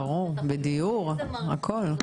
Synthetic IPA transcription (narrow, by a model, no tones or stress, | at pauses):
ʁɔ̃ | bed̪eɔʁ | akʰɔl